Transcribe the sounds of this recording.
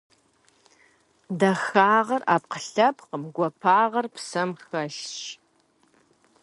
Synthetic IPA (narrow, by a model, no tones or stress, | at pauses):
dɐxaːʁɐra̰ːp̚qəɬɐpʰqəmɡʷɔpʰaːʁɐrpsɐmxɐɬʃ